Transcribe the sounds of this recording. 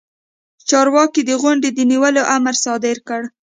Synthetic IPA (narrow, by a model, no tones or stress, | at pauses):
t͡ʃɑɾwɑkid̪əɣʊɳɖed̪əniwəloʔaməɾsɑd̪ɪɾkəɽ